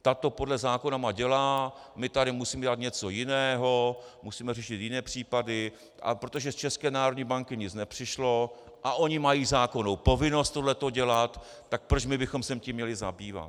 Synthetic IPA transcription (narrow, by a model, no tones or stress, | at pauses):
t̪at̪o̞po̞dlɛzaːko̞namaɟɛlaːmɪt̪aɾɪmusiːmɛdat̪ɲɛt͡so̞jɪnɛːɦo̞musiːmɛrɛʃɪt̪jɪnɛːpr̝̥iːpadɪ | ʔa̰pɾo̞t̪o̞ʒɛst͡ʃɛskɛːnaːɾodɲiːbaŋkɪɲɪt͡snɛpr̝̥ɪʃlo̞ | ʔaʔo̞ɲɪmajiːzaːko̞nowpo̞vɪno̞st̪odlɛt̪o̞ɟɛlat̪ː | ak̚pɾot͡ʃmɪbɪxo̞msɛmcimɲɛlɪza̰biːva̰t̪